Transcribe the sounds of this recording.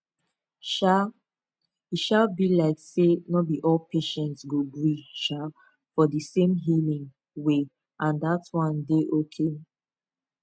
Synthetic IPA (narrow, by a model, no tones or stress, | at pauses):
ʃa | iʃalbilaɪksenɔbiʔɔlpʰeʃɛ̃ntsɡobɹiʃa | fɔdəsẽmɦilĩŋ | we | ʔãndatwɔ̃ndeʔokʰe